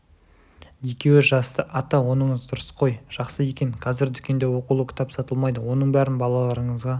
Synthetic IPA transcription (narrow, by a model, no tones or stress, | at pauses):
je̞kʲe̞wɪʒɑst̪əʔɑt̪ɑwo̞nəɴəzd̪ʊɾəsqʰo̞jʒ̥ɑqsəje̞kʲe̞ŋqʰɑzɪɾd̪ʏkʲe̞nd̪e̞wo̞qulˠəkʰɪ̥t̪ʰɑpsɑt̪əlˠmɑjd̪əwo̞nəɴbæɾɪnbɑlˠɑlˠɑɾəɴəzʁɑ